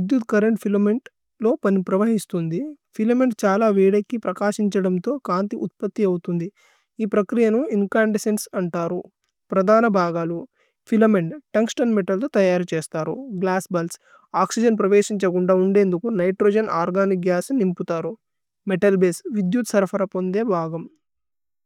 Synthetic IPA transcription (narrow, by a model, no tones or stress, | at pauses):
ʋid̪jut̪kɐɾɐɳʈpʰilɐmeɳʈ | lo̞ːpɐnipɾɐʋɐɦist̪und̪i | pʰilɐmeɳʈt͡ʃaːlaːʋiːɽɐkːipɾɐkaːʃiɲt͡ʃɐɽɐmt̪o̞ːkaːnt̪iʔut̪̚pɐt̪ːiɐwut̪und̪i | iːpɾɐkɾijɐnuiŋkaːɳɖesensɐɳʈaːɾu | pɾɐd̪ʱaːnɐbʱaːɡaːlu | pʰilɐmeɳɖʈɐŋksʈɐnmeʈɐlt̪oːt̪ɐjaːɾut͡ʃeːst̪aːɾṵɡlaːsbɐls | aːksid͡ʒɐnpɾɐʋeːʃiɲt͡ʃɐkuɳɖaːuɳɖe̞ːnd̪ukunɐjʈɾoːd͡ʒɐnʔaːɾɡaːnik̚ɡjaːsnimput̪aːɾu | meʈɐlbeːsʋid̪jut̪sɐɾpʰɐɾɐpo̞nd̪e̞ːbʱaːɡɐm